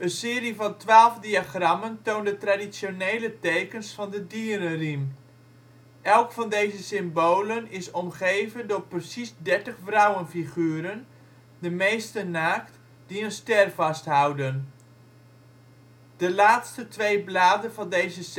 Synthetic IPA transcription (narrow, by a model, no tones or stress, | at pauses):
ənsɪːɾivɑntʋaːlˠvdiaχrɑməntoːndətradisjonejlətejkənsfɑndədiːəɾərim | ɛlˠkfɑndejzəsɪmbowlənɪsɔmχejvəndʊːɹprəsisdɛɹtəχfrawənfiχyːəɾən | dəmejstənaːkt | d̥iənstɛrvɑstɦawdən | d̥əlaːtstətʋejblaːdənvɑndejzəs